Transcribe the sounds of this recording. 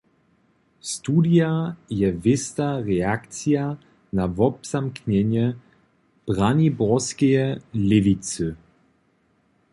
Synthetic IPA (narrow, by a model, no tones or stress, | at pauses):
st̪uːdijajɛvɪst̪aʁɛakt͡sia | navɔbz̥amkɲɛɲjɛ | b̥ʁanibɔskɛjɛlɛvit͡sɨ